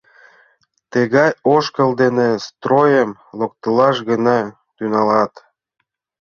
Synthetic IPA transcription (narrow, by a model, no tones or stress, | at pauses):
t̪əɣɑjoʃkəld̪enest̪rojəmlok̚t̪əlɑʃɣənɑ | t̪ynɑlɑt̪